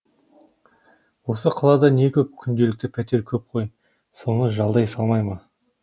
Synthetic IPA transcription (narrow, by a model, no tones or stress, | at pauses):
wo̞səqʰɑlˠɑd̪ɑne̞kʲʰɵp̚kʲʰʏnd̪e̞lɪk̚t̪ɪpʰæt̪e̞ɾkʲʰɵp̚qʰo̞j | so̞nəʒɑlˠd̪ɑjsɑlˠmɑjmɑ